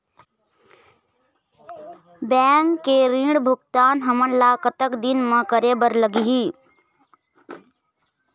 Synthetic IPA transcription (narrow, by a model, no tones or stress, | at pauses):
bɛːŋkːeɾĩɽbʱʊkt̪aːnɦəmənlaːkət̪əkd̪ɪnmə̃kəɾeːbəɾləɡiɦiː